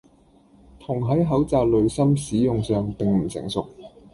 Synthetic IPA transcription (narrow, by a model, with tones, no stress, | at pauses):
t̪ʰʊ˨˩ŋɦɐ˨˥jɦɐ˨˥wt͡saː˨k̚lɵ˨˧ɥsɐ˥msiː˨˥jʊ˨ŋsœː˨ŋpɪ˨ŋm̩˨˩sɪ̰˨˩ŋsʊ˨k̚